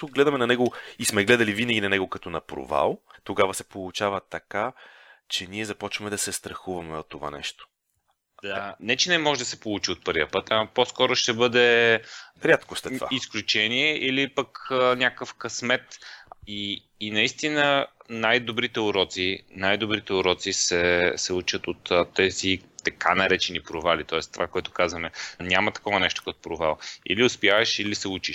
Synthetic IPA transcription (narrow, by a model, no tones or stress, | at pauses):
t̪uɡlɛd̪ɐmɛnɐnɛɡoismɛɡlɛd̪ɐlivinəɡʲinɐnɛɡokɐt̪ɔnɐpɾo̰va̰lˠt̪oɡavɐsɛ̥polˠʊt͡ʃavət̪ɐkat͡ʃɛniɛzɐpɔt͡ʃvɐmɛd̪ɐsɛst̪ɾɐxuvɐmɛot̪ːova̰nɛ̰ʃt̪o̥ | anɛt͡ʃɛnɛmɔʒɛd̪ɐsɛpolˠut͡ʃiot̪̚pɤɾvjə̰pət̪aposkɔɾoʃt̪ɛbɤd̪ɛ | ɾʲat̪kost̪ɛt̪vaisklʲut͡ʃɛniɛʔilipəkənʲjakəfkɐsmɛt̪iː | nɐist̪inənajd̪obɾit̪ɛʊɾɔt̪sinajd̪obɾit̪ɛʊɾɔt̪sisɛsɛut͡ʃət̪ot̪t̪ːɛzit̪ɐkʰanɐɾɛt͡ʃɛnipɾovalit̪ɔɛst̪ovakoɛt̪ʊ̥kazvɐmɛnʲamɐt̪ɐ̥kɔvɐnɛʃt̪o̥kɐt̪o̥pɾova̰lˠḭliʊspjavɐʃilisɛut͡ʃiʃ